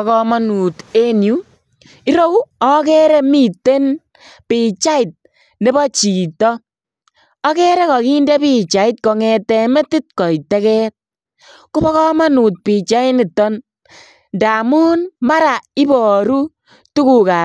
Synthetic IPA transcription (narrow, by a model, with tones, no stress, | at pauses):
kɔ˧ma˦nu˨te˦nju˦ | i˦ɾo˦wɔ˦kɛ˦ɾɛ˦mi˦˨te˦n | pɪ˨t͡ʃa˦ɪ˨t̚ | ne˦bɔ˦t͡ʃi˨tɔ˦ | ɔ˦kɛ˦ɾɛ˦kɔ˨ki˦ndɛ˦pi˦t͡ʃa˨ɪ˦t̚kɔ˨ŋɛ˨tɛ˨mɛ˦tɪ˦t̚kɔ˨itɛ˦kɛ˦t̚ | kʊ˦bɔ˦kɔ˦ma˦nu˨t̚pi˨t͡ʃa˦ɪ˦nɪ˨tɔ˦n | nda˨mu˦nma˦ɾa˨ɪ˦bɔ˨ɾu˦ | tu˦ku˨ka˨